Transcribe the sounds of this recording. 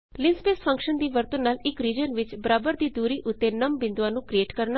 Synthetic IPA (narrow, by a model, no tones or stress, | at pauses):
lɪ̃nspeːspʰə̃ŋkʃənd̪iːʋəɾt̪ənːaːlɪkɾiːd͡ʒənʋɪt͡ʃbəɾaːbəɾd̪iːd̪uːɾiːʔʊt̪ːeːnəmbɪ̃nd̪ãːnũːkɾieːʈkəɾna